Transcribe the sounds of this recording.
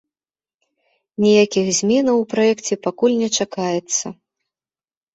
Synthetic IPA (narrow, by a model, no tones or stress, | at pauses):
nʲɛjakʲixzʲmʲɛnɐwpɾajɛkt͡sʲɛpakulʲnʲɛt͡ʂakajɛt̪sːɐ